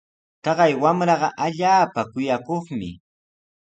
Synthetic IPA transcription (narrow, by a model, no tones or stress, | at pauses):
t̪ɑɢɑjwamɾɑɢɑʔaʎaːpakʊjakoχmɪ̰